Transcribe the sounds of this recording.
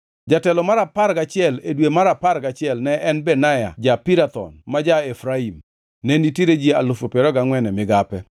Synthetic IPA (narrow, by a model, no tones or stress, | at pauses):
d͡ʒatɛlɔmaɾapaɾɡat͡ʃɪɛledwemaɾapaɾɡat͡ʃɪɛlnɛɛnbɛnaja̰d͡ʒapiɾat̪ɔ̰nmad͡ʒaefɾaim | nɛnitiɾed͡ʒiealofopeɾɔɡaŋwɛnɛmɪɡapɛ